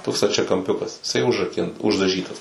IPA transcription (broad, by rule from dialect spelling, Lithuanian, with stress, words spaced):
ˈtoːks stɐt͡ʃʲɛkɐmʲˈpʲʊkɐs ɪˈsɐɪ ʊʒrɐˈkʲɪn ʊʒdɐˈʒʲiːtɐs